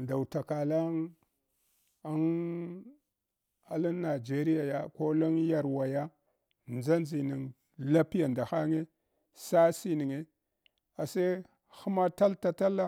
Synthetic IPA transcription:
nda˨wu˨ta˨ka˨la˦ŋ | a˦n | a˦la˦nːa˨d͡ʒe˦ɾi˦ja˨ja˦ko˦lo˦ŋja˨ɾwa˨ja˦ | nd͡za˦nzi˨ni˨ŋ | la˦pi˦ja˨nda˨ha˦ŋe˦ | sa˦si˦ni˨ŋe˦ | a˨sa˦ | xu˦ma˦ta˦lta˨ta˦la˦

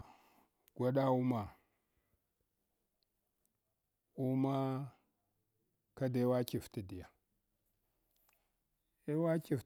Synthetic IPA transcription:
ɡ̥ʷa˦ɗa˦u˦ma˨ | u˦ma˦ | ka˦de˦wa˦ki˨fti˨di˨ja˨ | e˦wa˦ki˨f

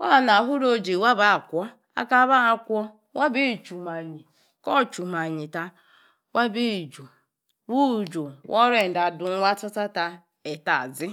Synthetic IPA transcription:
wa˦a˨na˨ɦʊ˦ɾo˦d͡ʒe˨wa˦ba˦a˨kʷɔ˦ | a̰˦ka˦βa˦a˨kʷɔ˦ | wa˦bi˦˨t͡ʃu˨ma˨ɲi˨ | kɔ˦˨t͡ʃu˨ma˨ɲi˨ta˦ | wa˦bi˦˨d͡ʒu˨ | wu˦˨d͡ʒo˨wʔɔ˦ɾe˦˨n̩˨da˨dʊ˨ŋ˦wa˦ta˦ta˦ta˦ | e˨ta̰˨zɪ˦

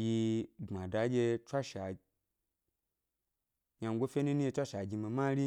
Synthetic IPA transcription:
ji˧ŋ͡ma˨da˨˦ɡʲe˧t͡ʃʷa˦ʃa˨ | ɲa˧ŋ˧ɡʷo˦fʲe˦nu˦nu˦i˧˦a˦ʃa˨ɡʲi˧mi˧ma˦ɾi˦

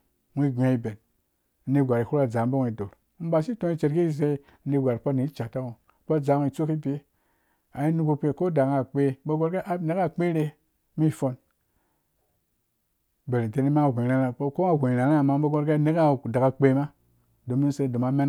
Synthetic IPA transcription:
ŋʷi˦˨ɡe˨i˧be˨n̩˦ | ni˧ɡʷa˨ɾi˨hu˦ɾa˨d͡za˨m˦bo˦ŋʷ˦˨i˨do˨ɾ̩˦ba˦ʃi˦to˦i˦t͡ʃe˨ɾki˦i˦˨ze˧˦ | ni˧˦ɡʷa˨ɾpo˦ni˨˦t͡ʃa˨ta˦wo˨ | po˦d͡za˨ŋ˧i˨t͡so˦ki˦bi˨˦e˦ | a˨i˦nu˦ku˧k͡pe˨ko˦da˨ka˨k͡pe˦bo˦ɡo˦ɾka˦ʔa˦ne˨˦ka˦˨k͡pe˦ɾe˧ | mi˦˨fo˧n | be˨ɾi˨te˨ni˦ma˦a˨ɡʷe˨ɾa˨na˨˦ko˦ŋa˨ɡʷe˨ɾa˨na˦˨ma˦bo˦ɡo˦ɾɡa˦ne˦ka˦da˨ɡa˨k͡pe˨˦ma˦ | do˨mi˦n˦se˧˦do˨ma˨˦me˦n˨

